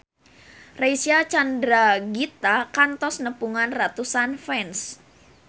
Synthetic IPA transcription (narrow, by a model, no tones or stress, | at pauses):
reisiat͡ʃandɾaɡit̪akant̪ɔsnəpuŋanrat̪usanfɛns